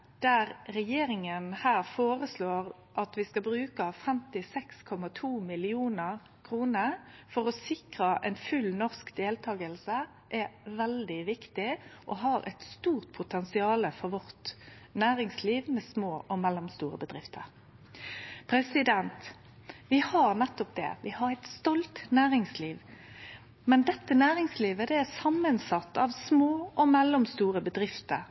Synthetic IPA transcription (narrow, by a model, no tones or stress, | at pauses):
d̪̥æʁɾɛjeːɾɪŋənhæːʁfoːʁəsloːʁ | ʔɑt̪ʋɪskɑbɾʉːkəfɛmt̪ɪsɛkskʰɔmɑt̪ʰuːmɪlɪuːnəʁ | kʰʁuːnəfɔʁɔsɪkʁɑʔɛnfʉlnɔʁskd̪eːlt̪ʰɑːɡəlsə | ʔɛʋɛld̪ɪʋɪkt̪ɪʔɔɦɑːɾɛ̰t̪st̪uːʁt̪̚pʰʊt̪ʰɛnsɪɑːləfɔʁʋɔʁt̪næːʁɪŋsliːʋmɛsmoːʔɔmɛlːɔmst̪uːʁəbəd̪ʁɪft̪ʰəʁ | pʰɾɛsɪd̪ɛnt̪ | ʋɪhɑʁnɛt̪ːɔp̚d̪ɛ̰ʋɪhɑʁæɪt̪st̪ɔlt̪næːʁɪŋsliːʋ | mɛnd̪ɛt̪ːənæːʁɪŋsliːʋəd̪ɛæʁsɑmːənsɑt̪ːɑʋsmoːɔmɛlːɔmst̪uːʁəbəd̪ʁɪft̪əʁ